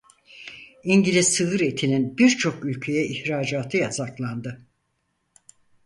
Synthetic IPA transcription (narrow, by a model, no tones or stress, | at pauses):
iɲɟilʲizsɯɯɾe̞t̪ʰininbiɾt͡ʃʰo̞kylʲcʰe̞jɛʔiçɾaːd͡ʒaːt̪ʰɯjazaklˠand̪ɯ